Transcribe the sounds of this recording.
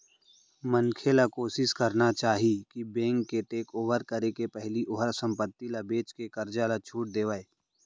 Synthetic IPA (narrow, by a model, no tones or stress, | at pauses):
mənkʰelakoːsɪskəɾnat͡ʃaːɦikibẽːŋkːeʈeːkoːʋəɾkəɾekepɛɦliʔoɦəɾsə̃mpət̪ːilabeːt͡ʃkekəɾd͡ʒalat͡ʃʰuːʈ̚d̪eːʋaːeː